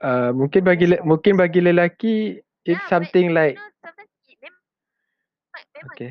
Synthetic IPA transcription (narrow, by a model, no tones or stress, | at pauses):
əmũŋkɪnbaɡilmũŋkɪnbaɡiləlaki | ɪtsamt̪ɪŋlaɪk̚ | oke